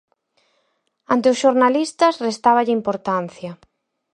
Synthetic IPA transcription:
ant̪eʊsʃoɾnalist̪ɐsrest̪aβ̞ɐʎɪimpoɾt̪an̟θjɐ

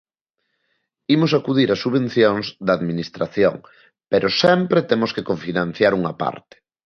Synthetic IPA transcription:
imos̬akuðiɾasuβẽn̟θjoŋzd̪ɐːðminist̪ɾaθjo̰ŋ | peɾʔʊsɛmpɾet̪emʊskekoɱfinãn̟θjaɾuŋɐpa̰ɾt̪ɪ̥

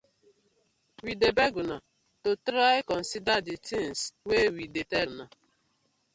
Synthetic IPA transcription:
widebeɡuna | totɾaɪkɔn̩sidaditiŋswewidetena

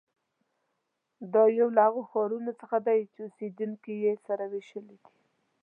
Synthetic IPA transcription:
d̪ɑjawlahaɣoxɑɾunot͡səxad̪ajt͡ʃeused̪uŋkijesaɾaweʃəlid̪i̥

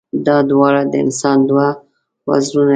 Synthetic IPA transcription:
d̪ɑd̪wɑɽad̪əɪ̰nsɑnd̪wa | wa̰zɾuna

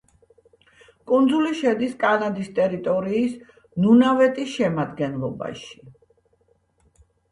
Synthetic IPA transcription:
kʼund̪zuliʃɛd̪iskʼanad̪ist̪ʼɛɾit̪ʼɔɾiːs | nunavɛt̪ʼisʃɛmad̪ɡɛnlˠɔba̰ʃi̥

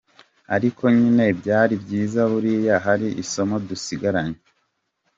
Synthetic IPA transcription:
aɾikʰo̞ɲine̞bɟaːɾibɟiːzaβuɾijaɦaɾiʔiso̞mo̞dusiɡaɾaɲe

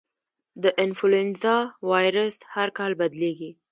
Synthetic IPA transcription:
d̪əʔɪnfulenzɑwɑjɾəshaɾkɑlbad̪leɡi

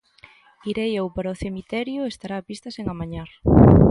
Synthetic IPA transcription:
iɾejewpaɾaoθemit̪ɛɾjʊest̪aɾaːpist̪ɐseŋamaɲaɾ

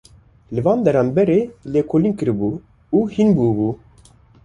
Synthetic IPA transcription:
lɨvɑːnd̪ɛɾɑːmbɛɾeːleːkʰoːliːnkɨɾbuː | uːhinbuːbuː

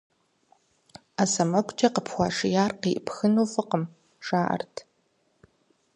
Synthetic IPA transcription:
asɐmɐkʷʼt͡ʃʼɐqəpʰxʷɑːʂɪjaːrqiːʔpxɨnuːfɨqəm | ʂaːʔɐ̰rtʰ

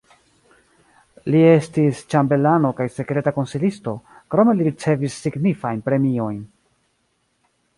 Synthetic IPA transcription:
lie̞stist͡ʃambe̞lano̞kajse̞kɾe̞tako̞nsilisto̞kɾo̞me̞liɾit͡se̞visːiɡnifajnpɾe̞mio̞jn

